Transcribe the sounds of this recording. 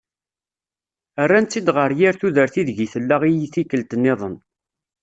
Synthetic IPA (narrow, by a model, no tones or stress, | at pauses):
ərːænt͡sːid̪ʁəɾjiɾθuðəɾθiðʝiθəlːaʁijiθikəlt̪ənːɪðˤən